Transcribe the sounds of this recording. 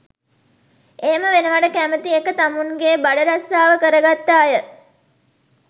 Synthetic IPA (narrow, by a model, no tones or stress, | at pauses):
eːməʋenəʋaɖəkæmət̪iekːət̪amuŋɡebaɖəɾasːaːʋəkəɾəɡat̪ːaːjə